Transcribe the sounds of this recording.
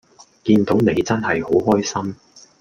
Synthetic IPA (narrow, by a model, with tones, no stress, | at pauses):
kiː˧nt̪o˨˥wne˨˧jt͡sɐ˥nɦɐ˨jho˨˥wɦɔː˥jsɐ˥m